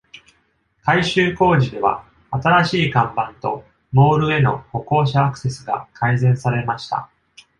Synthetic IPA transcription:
kaiɕɨːko̞ːʑid̪e̞βa̰ | at̪aɾaɕiːkãmbãnt̪o̞̰ | mo̞ːɾɯ̟e̞no̞̰ho̞ko̞ːɕaːkɯ̟̥se̞sɨɡa̰kʰaizẽ̞ɰ̃saɾe̞maɕi̥t̪a̰

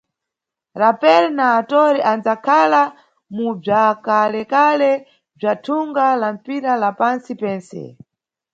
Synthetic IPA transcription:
ɾapɛɾɛnaːtɔɾiʔand͡zakʰala | mub͡ʐakalɛkalɛ | b͡ʐatʰuŋɡalam̩piɾalapansipɛːnsɛ̰

